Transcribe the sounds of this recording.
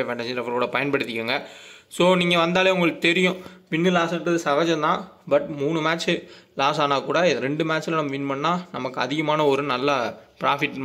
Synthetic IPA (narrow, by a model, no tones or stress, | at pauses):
ʋeːɳʈɐsiɾɐʋɐɾkuːɽɐpɐjɐnpɐɽɯt̪ːɪkːɯŋɡɐsoːniːŋɡɐʋɐnd̪aːleːʊŋɡɐɭɯkːɯt̪ɛɾɪjʊ̃ʋɪnːɯlaːsɐʈːɐðɯsɐɣɐd͡ʒɐ̃t̪ãːbɐʈmuːɳɯmaːt͡ʃːɯlaːsaːnaːkuːɽɐɾɛɳɖɯmaːt͡ʃːɪlɐnɐmːɐʋɪnːpɐɳːaːnɐmɐkːɯɐðɪɣɐmaːnɐɔɾɯnɐlːɐpɪɾaːfɪʈː